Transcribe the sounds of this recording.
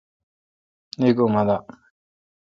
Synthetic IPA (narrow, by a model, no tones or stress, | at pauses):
neɡomad̪a